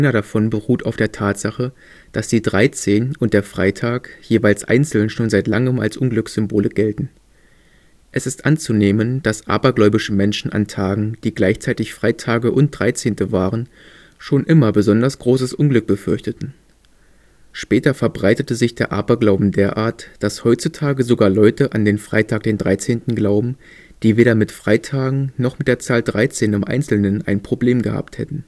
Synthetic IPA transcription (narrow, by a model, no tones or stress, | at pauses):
aɪnɐɾafɔnbəʁuːtʰaʊfd̥eːɐtʰaːtz̥aχə | d̥asd̥iːdʁaɪt͡seːnʊntd̥eːɐfʁ̥aɪtʰaːkjeːvaɪlsʔa̰ɪnt͡sl̩nʃoːnzaɪtlaŋəma̰lsʔʊnɡlʏksz̥ʏmboːləɡɛltn̩ | ʔɛsɪstʔant͡suneːmənd̥asʔa̰ːbɐɡlɔʏbɪʃəmɛnʃn̩ʔa̰ntʰaːɡŋ̩d̥iːɡlaɪçt͡saɪtɪçfʁ̥aɪtʰaːɡəʔʊnt̚d̥ʁaɪt͡seːntəvaːʁən | ʃoːnʔɪmɐbəzɔndɐsɡ̥ʁoːsəsʔʊnɡlʏk̚b̥əfʏɐçtətn̩ | ʃpɛːtɐfɛɐbʁaɪtətəzɪçd̥eːɐʔa̰ːbɐɡlaʊbm̩deːɐʔa̰ːɐtd̥ashɔʏtt͡sutʰaːɡəzoɡaːɐlɔʏtəʔandeːnfʁ̥a̰ɪtʰaːk̚d̥eːndʁaɪt͡seːntn̩ɡlaʊbm̩ | d̥iːveːɾɐmɪtfʁ̥aɪtʰaːɡŋ̩nɔχmɪt̚d̥eːɐt͡saːldʁaɪt͡seːnɪmʔa̰ɪnt͡sl̩nənʔa̰ɪnpʁ̥obleːmɡəha̰ːp̚thɛ̰tn̩